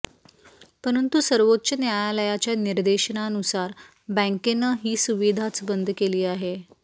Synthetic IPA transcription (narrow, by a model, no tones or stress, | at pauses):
pəɾənt̪usəɾʋotːɕənjajaləjat͡ɕjaniɾd̪eɕənaənusaɾ | bə̃ŋkenəɦiːsuʋid̪ʱat͡sbənd̪ʱkeliːaɦe